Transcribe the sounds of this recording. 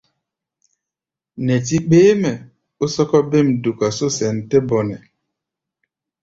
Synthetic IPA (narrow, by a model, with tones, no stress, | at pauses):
nɛ˨ti˦k͡peː˦mɛ˨ | u˦sɔ˦kɔ˦be˦˨m̩˨du˨ka˨so˦sɛ˨n̩˨tɛ˦bɔ˨nɛ˨